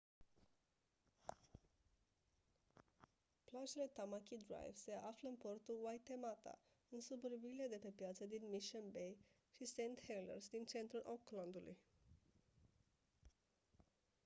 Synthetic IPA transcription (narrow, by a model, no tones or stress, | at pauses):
plad͡ʒolet̪amakidɾa̰jvsʔafləmpɔɾt̪uwajt̪emat̪a̰ | unsubəɾbilad̪eʈepjat͡sʰad̪inmiʃənbej | ʃisent̪helə̰ɾsd̪int͡sent̪ɾəʔɔkland̪ulṵj